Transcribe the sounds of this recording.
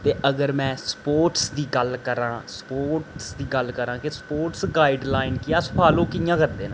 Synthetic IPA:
t̪eːʔəɡəɾmɛ̃ːspoːɾʈsd̪iːɡəlkəɾãːspoːʈsd̪iːɡəlkəɾãːkɪspoːʈsɡaːɪɖlaːɪnkɪjaːsəpʰaːlõːkɪjãːkəɾd̪eːnãː

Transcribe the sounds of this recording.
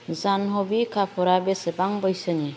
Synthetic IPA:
zanɦɔbikʰapʰɔɾabesebaŋbɔjsəni

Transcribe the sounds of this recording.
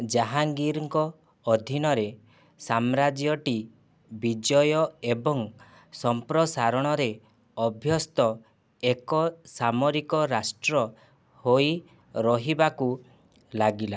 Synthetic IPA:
d͡ʒaɦaŋɡiɾŋkɔː | d̪ʱinɔɾe | samɾad͡ʒjɔʈi | bid͡ʒɔjɔebɔŋ | sɔmpɾɔsaɾɔɽ̃ɔɾe | ɔbʱjɔst̪ɔ | ekɔsamɔɾikɔɾasʈɾɔ | hoj | ɾɔɦibaku | laɡila

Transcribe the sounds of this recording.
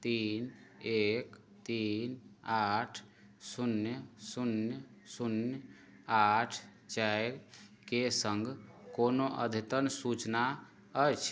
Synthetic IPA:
t̪inek | t̪inaʈʰ | sunjəsunjə | sunj | aʈʰ | t͡ʃajɾkesəŋɡʱkonoʔə̰d̪ʱit̪ənsut͡ʃna | əjt͡ʃʰ

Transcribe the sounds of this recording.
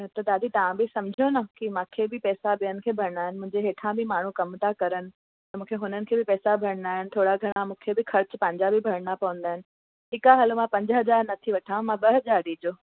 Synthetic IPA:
t̪ɐd̪aːd̪it̪ɐʋãbɪsɐmd͡ʑʱonɐkimãːkʰebɪpɛːsabijənɪ̆kʰeːbʱɐɾəɽaːɦɪnɪmʊ̃ɦɪ̃ɲd͡ʑeɦeːʈʰãbɪmaːɳ̤ukɐmt̪ʰakɐɾənɪ̆ | t̪ɐmũːkʰeɦʊnənɪ̆kʰeːbɪpɛːsabʱɐɾə̃nd̪aːɦɪnɪ̆t̪ʰoːɽaɡʱɐɽ̃amũːkʰebɪxɐɾt͡ɕpɐ̃ɲd͡ʑabɪbʱɐɾəɽ̃apɐʋə̃nd̪aːɦɪnɪ̆ | ɦɪkaɦɐlmãpɐ̃ɲd͡ʑɦɐd͡ʑaːɾnɐt̪ʰiʋɐʈʰãmãɓɐɦɐzaːɾɗiːd͡ʑoː

